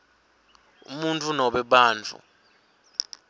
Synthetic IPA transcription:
ṵmuntʼunɔɓɛɓaːnt͡fʰṵ

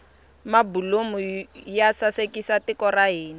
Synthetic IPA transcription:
mabulomʊjasasekisatɪkɔraɦeːni

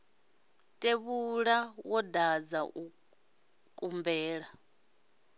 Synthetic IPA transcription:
tʼeβuɺawɔdad͡zaʔu | kʼumbɛːɺa

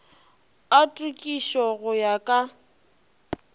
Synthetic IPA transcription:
atʼukʼiʃɔɣʊjakʼa

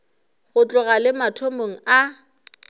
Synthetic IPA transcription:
ɣʊt͡ɬʼʊɣalɪmatʰomoŋ̩a

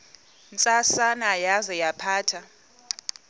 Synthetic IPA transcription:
nt͡sʼasanajazɛjapʰaːtʰa

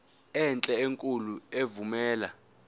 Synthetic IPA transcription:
ɛnt͡ɬʼɛeŋkʼuluevumɛːla

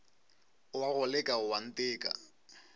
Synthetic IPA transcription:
ʊwaɣʊlɛkʼaʊwan̩tʼɪːkʼa̰

